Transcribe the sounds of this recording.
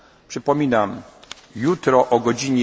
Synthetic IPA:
pʂɘpɔmʲinam | jut̪ɾɔʔɔɡɔd͡ʑiɲɛ

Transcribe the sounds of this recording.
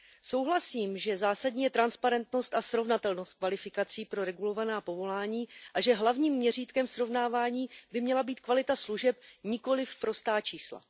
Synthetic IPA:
so̞wɦlasiːmʒɛzaːsadɲiːjɛt̪ɾanspaɾɛnt̪no̞st̪asɾo̞vnat̪ɛlno̞st̪̚kvalɪfɪkat͡siːpɾo̞ɾɛɡulo̞vanaːpo̞vo̞laːɲiːʔaʒɛɦlavɲiːmːɲɛr̝iːt̪kɛmsɾo̞vnaːvaːɲiːbɪmɲɛlabiːt̪kvalɪt̪asluʒɛp̚ɲɪko̞lɪfpɾo̞st̪aːt͡ʃiːsla̰

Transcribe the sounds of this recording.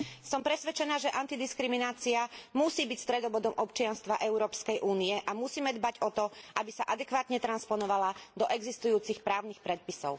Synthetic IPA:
sɔmpɾɛsʋɛt͡ʃɛnaːʒɛʔant̪id̪iskɾiminaːt͡siamusiːbicst̪ɾɛd̪ɔʋɔd̪ɔmʔɔpt͡ʃɪanst̪ʋaʔɛʊɾɔːpskɛjʔuːniɛʔamusiːmɛd̪baɟɔt̪ɔʔabisaʔad̪ɛkʋaːt̪ɲɛt̪ɾanspɔnɔʋalad̪ɔʔɛɡzist̪ujuːt͡sixpɾaːʊnixpɾɛt̪̚pisɔʊ

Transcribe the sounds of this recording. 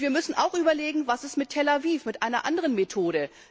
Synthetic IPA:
viːɐmʏsn̩ʔa̰ʊxʔyːbɐleːɡŋ̩vasɪstmɪtʰːɛlaviːfmɪtʔaɪnɐ̰ʔa̰ndəʁənmetʰoːɾə

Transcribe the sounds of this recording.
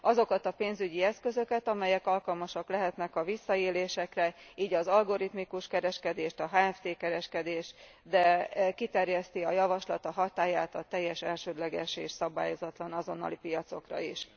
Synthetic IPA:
ɒzo̞kɒt̪ɒpeːnzyɟiɛskø̞zø̞kɛt̪ɒmɛjɛkɒlkɒlmɒʃɒklɛɦɛt̪nɛkɒvisːɒeːleːʃɛkrɛiːɟɒzɒlɡo̞ɾit̪mikuʃkɛɾɛʃkɛd̪eːʃt̪ɒɦaːɛft̪eːkɛɾɛʃkɛd̪eːʃt̪ | d̪ɛkit̪ɛrjɛst̪iɒjɒvɒʃlɒt̪ɒɦɒt̪aːjaːt̪ɒt̪ɛjːɛʃɛlʃøːd̪lɛɡɛʃeːʃsɒba̰ːjo̞zɒt̪lɒnɒzo̞nːɒ̰lipijɒt̪so̞̰krɒ̰iʃ

